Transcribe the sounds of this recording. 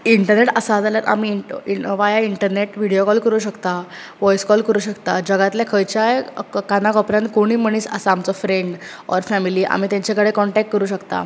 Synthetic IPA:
iɳʈəɾneʈəsad͡zaljaɾa̰miiʋajaiɳʈəɾneʈʋiɽijokɔlkəɾuːɕəkt̪a | ʋɔjskɔlkəɾuːɕəkt̪ad͡ʑəɡat̪lakʰəjt͡ɕajkanakɔpɾãnkoɽ̃iːməɽ̃iːsəsaːmt͡sɔfɾeɳɖ | ɔ̰ɾfæmiliːʔa̰m̤it̪jaɲt͡ɕakəɽekɔɳʈɛk̚ʈ̚kəɾuːɕəkt̪a̰

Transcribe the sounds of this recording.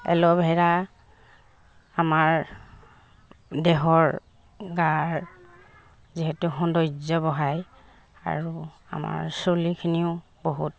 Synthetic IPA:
ɛ̰lɔbʱɛɹa | amaɹ | dɛɦɔɹ | ɡaɹ | ziɦetuxɔndɔjzɔbɔɦaj | a̰ɹu | a̰ma̰ɹsolikʰiniʊ | boɦut

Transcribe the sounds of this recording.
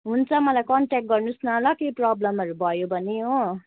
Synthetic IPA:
ɦunt͡sʰʌmʌlajkʌɳʈɛkʈ̚ɡʌrnusnalʌkeprʌblʌmɦʌɾubʱʌjobʱʌneɦo

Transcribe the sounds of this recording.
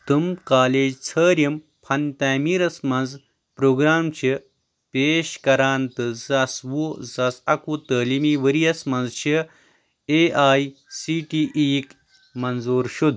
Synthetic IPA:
t̪ɨmkaːleːd͡ʒt͡sʰəːɾjɐm | pʰɐnt̪aːmiːɾɐsmɐ̃nz | pɾoːɡɾaːmt͡ʃʰi | peːʃkɐɾaːnt̪ɨzɐsʋuzɐsɐkut̪əːlimiːʋəɾijɐsmɐnzt͡ʃʰi | eːʔaːjsiːʈiːʔiːk | mɐnzuːɾʃud̪

